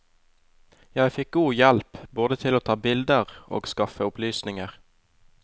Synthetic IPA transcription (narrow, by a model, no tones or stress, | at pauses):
jæɪfɪk̚ɡuːjɛlpboːd̪ət̪ʰɪloːt̪ʰɑːbɪld̪əʁo̰ːɡskɑfəʊplyːsnɪŋəʁ